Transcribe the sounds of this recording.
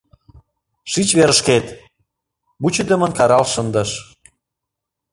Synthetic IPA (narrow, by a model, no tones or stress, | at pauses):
ʃit͡ɕβeɾəʃket̪ | but͡ɕəd̪əmə̆nkɑɾɑlʃənd̪ə̆ʃ